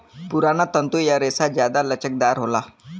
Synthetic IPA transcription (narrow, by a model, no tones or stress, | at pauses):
puɾanat̪ənt̪ujaɾesad͡ʑjad̪alət͡ɕək̚d̪aɾɦola